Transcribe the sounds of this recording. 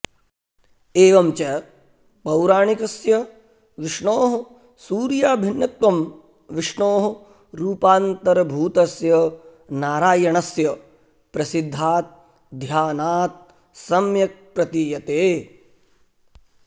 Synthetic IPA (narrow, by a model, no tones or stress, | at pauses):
eːʋɐmt͡ʃɐ | pɐwɾaːɳikɐsjɐ | ʋɪʂɳoːɦɐ | suːɾjaːbʱinːɐt̪ʋɐm | ʋiʂɳoːɦɐ | ɾuːpaːnt̪ɐɾɐbʱuːt̪ɐsjɐ | naːɾaːjɐɳɐsjɐ | pɾɐsid̪ʱːaːt̪̚ | d̪ʱjaːnaːt̪̚ | sɐmjɐk̚pɾɐt̪ijɐt̪eː